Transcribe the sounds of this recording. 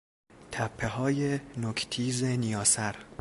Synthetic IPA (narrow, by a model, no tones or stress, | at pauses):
t̪ʰæpʰːeɦɒːjenokʰt̪ʰiːzenijɒːsæɾ